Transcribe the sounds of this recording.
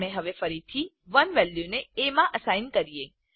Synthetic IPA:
mẽɦəʋefəɾit̪ʰi | ʋənʋɛljuneemãʔəsajnkəɾije

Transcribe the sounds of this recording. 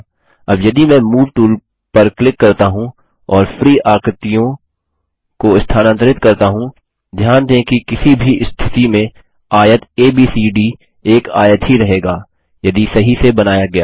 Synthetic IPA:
ɐbjɐd̪imɛ̃ːmuːʋʈuːl | pɐɾklɪkːɐɾt̪aɦũ | ɔːɾfɾiːʔaːkɾɪt̪ijõ | koɪst̪ʰaːnə̃nt̪əɾɪt̪kɐɾt̪aɦũ | d̪ʱjaːnd̪ẽkikɪsibʱiɪst̪ʰɪt̪imẽ | aːjət̪eːbiːsiɖi | eːka̰ːjət̪ɦiɾɐɦeːɡaː | jɐd̪isɐɦisebɐnaːjaɡɐjaː

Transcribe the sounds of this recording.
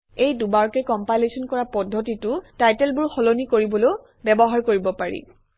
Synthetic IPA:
ejdubaɹkɛkɔmpajlesɔnkɔɹapɔdʱːɔtitʊtajtɛlbʊɹxɔlonikoɹibɔlow | bɛbɔɦaɹkoɹibɔpaɹḭ

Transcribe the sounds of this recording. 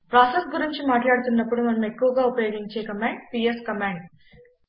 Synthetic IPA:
pɾaːsesɡuɾiɲt͡ʃimaːʈlaːɽut̪unːɐpːuɽumɐnɐme̞kːuʋɐɡaːupɐjoːɡiɲt͡ʃeːkɐmaːɳɖ̚piːeskɐmaːɳɖ̚

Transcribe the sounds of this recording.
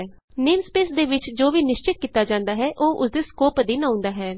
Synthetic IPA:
neːmspeːsd̪eːʋɪt͡ʃd͡ʒoːʋiːnɪʃt͡ʃɪt̪̚kiːt̪aːd͡ʒãːnd̪aːɦɛːʔoːʔʊ̰sd̪eːskoːpd̪iːnãːʊ̃nd̪aːɦɛː

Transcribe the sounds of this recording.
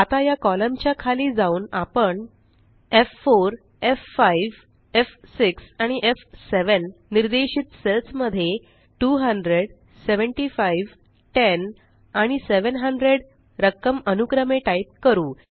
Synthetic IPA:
at̪ajakɔləmt͡ɕjakʰaliːd͡zauːnapəɳ | efːoɾ | efːajʋ | efsiksaɽ̃iʔefseʋənːiɾd̪eɕiːt̪selsməd̪ʱːje | ʈuːɦəɳɖɾeɽ | seʋəɳʈiːfajʋ | ʈen | aɽ̃iseʋənɦəɳɖɾeɽ | ɾəkːəmənukɾəmeʈaip̚kəɾuː

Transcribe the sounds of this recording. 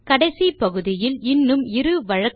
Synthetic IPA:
kɐɽɐɪsipɐɣɯðɪjɪlɪnːɯmɪɾɯʋɐɻɐk

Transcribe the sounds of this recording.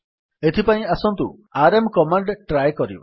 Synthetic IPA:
et̪ʰipãĩasɔnt̪ṵ | aɾemkɔmaɳɖʈɾajkɔɾḭbɔ̰

